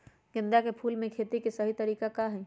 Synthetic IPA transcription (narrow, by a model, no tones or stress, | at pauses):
ɡɪ̃nd̪akepʰuːlmẽkʰeːt̪ikesɐɦit̪əɾiːkakaɦɛ